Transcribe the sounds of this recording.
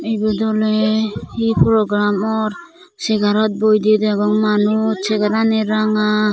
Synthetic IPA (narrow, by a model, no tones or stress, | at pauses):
ijbɔd̪ɔlɛhipʰɾɔɡɾamɔɾ | sɛɡaɾɔt̪̚bɔjd̪id̪ɛɡɔŋmanusɛɡaɾanɛɾaŋa